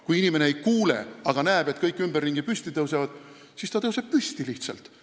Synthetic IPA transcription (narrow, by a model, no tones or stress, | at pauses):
kujinime̞ne̞ejkuːlḛɑɡ̥ɑnæːb̥e̞t̪̚kɤjkːˑymberːiŋɡ̥ipysʲt̪it̪ɤwsevɑd̪̥ | sist̪ɑt̪ɤwseb̥̚pyst̪iliht̪sɑ̰lt̪